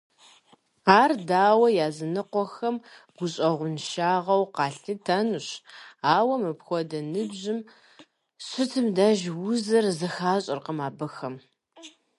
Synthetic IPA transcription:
aːrdaːwɐjaːzɨnɨqʷɔxɐm | ɡ̥ʷʊɕʼɐʁʷʊnʃaːʁɐwqɑːɬɨtʰɐnuɕaːwɐmɨpxʷɔdɐnɨbʑɪm | ɕɪtʰɨmdaːʒwʊzɐrzɨxaːɕʼɪrqəmaːbɨxɐm

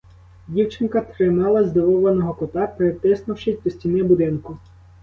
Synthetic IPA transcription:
dʲiwt͡ʃɪnkɐt̪ɾɪmɑlˠɐzd̪ɪʋɔʋɐnɔɦɔkɔt̪ɑpeɾet̪ɪsnʊwʃɪsʲp̪ɔsʲtʲinɪbʊd̪ɪnkʊ

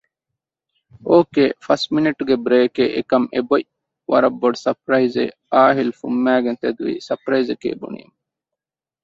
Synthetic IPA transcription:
oːkefɐsʈminiʈɡebɾeːkeʔekɐmeboʔ | ʋɐ̰ɾɐbːoɖsɐpɾɐizḛ | aːɦilfumːæːɡent̪ed̪ʋḭːsɐpɾɐizekḛːbṵnḭm

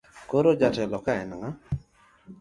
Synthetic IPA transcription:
koɾod͡ʒatɛlɔkaɛnŋa

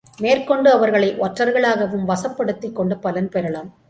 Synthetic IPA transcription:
meːrkɔɳɖɯɐʋɐɾɣɐɭɐɪʔɔʈrɐɾɣɐɭaːɣɐʋɯmʋɐsɐpːɐɽɯt̪ːikːɔɳɖɯpɐlɐnpɛɾɐɭɐm

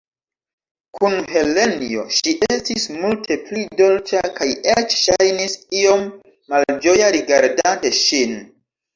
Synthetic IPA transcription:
kʰunhe̞le̞nio̞̰ʃiʔestismultʰe̞plido̞lt͡ʃakajet͡ʃʃajnisio̞mː | ald͡ʒo̞jaɾiɡaɾdanteʃin

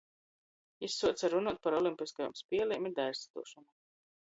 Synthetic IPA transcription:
isːuɔt̪saɾunuɔt̪̚paɾɔlˠimpʲiskajɔ̰mspʲiɛlˠimid̪ajst̪t̪ṵɔʃɔnu

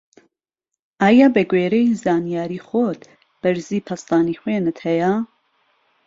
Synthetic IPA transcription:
ʔaːjaːbɛɡweːɾɛjzaːnijaːɾiːxot̪ | b̥ɐɾziːpʰɐst̪aːnixweːnɨt̪hɛja

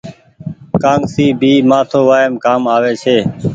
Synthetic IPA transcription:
kãːŋsiːbʱiːmaːt̪ʰoːʋaːɪmkaːmaːʋeːt͡ʃʰeː

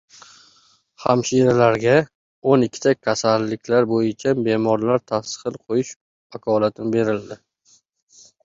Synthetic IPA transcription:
ha̰mʃiɾalaɾɡʲa | onɪkʲːɪ̥t̪ʰakʲʰasalːɪkʲlaɾbojɪt͡ʃʰabe̞mɒɾlaɾt̪ʰasχɨlˠqʰojɪʃ | akʰɒlat̪ʰɪnɪbe̞ɾɪld̪ɪ

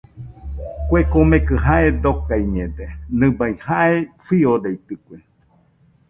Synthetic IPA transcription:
kʷekomẽkɨɦaʔed̪okajɲẽd̪enɨ̃baihaʔefiod̪eit̪ɨkʷe

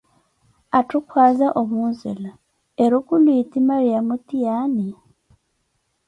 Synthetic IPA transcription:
atukwaːzaʔomunzela | eɾukulwiːtimaɾijamutijani

